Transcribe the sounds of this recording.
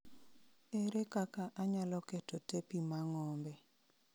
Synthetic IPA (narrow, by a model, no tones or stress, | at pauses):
eɾekakaʔaɲalɔketotepimaŋɔmbɛ